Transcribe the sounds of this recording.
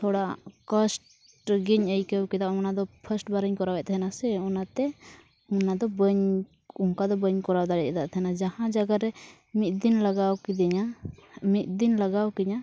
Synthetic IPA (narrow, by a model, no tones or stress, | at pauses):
t̪ʰɔɽakəsʈ | ɡiɲəjkəwkɛd̪aʔmɔnad̪ɔpʰəsʈ̚baɾəɲkɔɾawɛt̪ʰɛɦɛnasɛɔnat̪ɛ | ɔnad̪ɔbəɲ | ɔŋkad̪ɔbəɲkɔɾawd̪aɽɛʔ̚ɛd̪aʔt̪ʰɛɦɛnad͡ʒahãd͡ʒaɡaɾɛ | mit̪̚d̪inlaɡawkid̪ɛɲamit̪̚ˀd̪inlaɡawkɛɲa